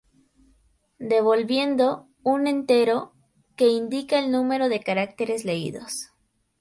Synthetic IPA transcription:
d̪e̞βo̞lβje̞nd̪o̞ | une̞nt̪e̞ɾo̞ | ke̞ind̪ikaelnũme̞ɾo̞ðe̞kaɾak̚t̪e̞ɾe̞zle̞ḭðo̞̰s

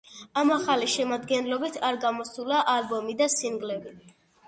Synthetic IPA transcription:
amaχaliʃɛmad̪ɡɛnlɔbit̪ʰaɾɡamɔsulaʔalbɔmid̪asiŋɡlɛbi

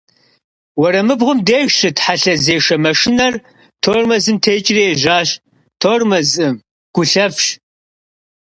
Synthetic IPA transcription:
wɔɾɐmɨbʁʊmdeːʒɕɨtħaɬɐzeːʂɐmɐʂɪnɐr | tʰoːrmɐzɨmtʰeːt͡ʃʼɪrieʒaːɕ | tʰoːrmɐzɨm | ɡ̥ʷʊɬɐfɕ

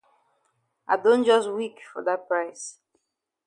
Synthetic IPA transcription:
ʔaɪdõnd͡ʒɔstwikfɔ̰ðat̚pɹaɪs

